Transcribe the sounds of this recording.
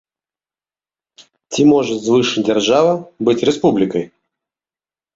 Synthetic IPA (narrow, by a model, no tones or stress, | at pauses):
tʲimoʐɨt̪zvɨʂɨdʲɪrʐavəbɨtʲɾʲɪspublʲɪkəj